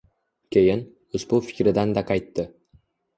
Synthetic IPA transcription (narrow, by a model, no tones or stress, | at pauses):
kʲʰe̞jɪn | ʊzbʊfɪ̥kʲɾɪd̪and̪aqʰɑjt̪ːɪ